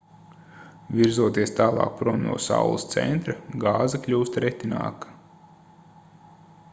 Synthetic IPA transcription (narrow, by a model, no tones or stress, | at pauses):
vʲiɾzuɔt̪iɛst̪aːlˠɑ̰ːk̚pɾɔnːṵːsa̰wlˠəst̪sɛ̰nt̪ɾɐɡɑːzɐklʲuːst̪ɾɛt̪ina̰ːkɐ̥